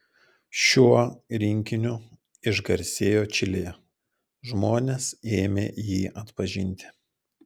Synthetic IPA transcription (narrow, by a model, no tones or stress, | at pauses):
ʃʲuɔɾʲɪŋʲkʲɪnʲʊ | ɪʒɡɐɾʲsʲeːjoːt͡ʃʲɪlʲeːjɛ | ʒmoːnʲeseːmʲeːjiːʔɐt̪pɐʒʲɪnʲt̪ʲɪ̥